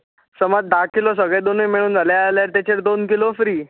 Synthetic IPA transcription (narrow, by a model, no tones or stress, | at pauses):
səmad͡z̚d̪akilɔsəɡɭed̪onəjmeɽ̃uːnd͡zalealjaɾt̪et͡ɕeɾd̪onkilofɾiː